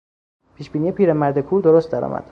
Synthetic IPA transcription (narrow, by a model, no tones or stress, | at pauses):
pʰiːʃbiːnijepʰiːɾemæɾd̪ekʰuːɾd̪oɾost̪̚d̪æɾɒ̰ːmʔæ̰d̪̥